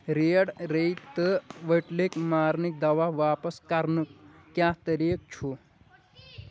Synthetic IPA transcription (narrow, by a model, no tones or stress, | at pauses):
ɾeːɽɾəit̪ːəʋəʈlekmaːɾnik̚d̪ɐʋaʋaːpəskɐɾnɨkjaːɦt̪əɾik̚t͡ʃʰu